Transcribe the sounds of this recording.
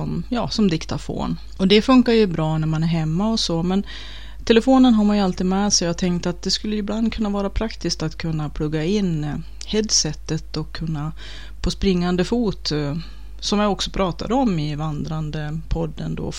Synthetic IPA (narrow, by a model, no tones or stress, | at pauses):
ɔmjɑːsɔmd̪ɪkt̪afo̰ːn | ɔd̪ɛfɵŋkaɾjɵbɾɑːnæɾmanæɾɦɛmːaɔsoːmɛn | t̪ʰɛləfoːnənɦaɾmanjəalt̪iːd̪mɛːsɛjaɡt̪ʰɛŋk̚t̪at̪̚d̪ɛskɵlːəjɪbland̪kʰɵnːavɑːɾapʰɾakt̪ɪskt̪at̪kʰɵnːapʰlɵɡːaɪnː | hɛd̪sɛt̪ːət̪ɔkʰːɵnːa | pʰɔspɾɪŋːand̪əfuːt̪ | sɔmjaɔksɔpʰɾɑːt̪a̰d̪əɔmɪvand̪ɾand̪əpʰɔd̪ːə̰nd̪o̰ː